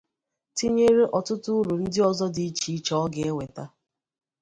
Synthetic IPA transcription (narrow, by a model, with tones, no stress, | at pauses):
ti˦ɲe˦ɾe˦ʔɔ˨tʊ˦tʊ˦ɾu˨n̩˦dɪ˦ɔ˨zɔ˦di˦i˦t͡ʃi˨˦t͡ʃɔ˦ɡe˨˦e˦wʷe˨ta˦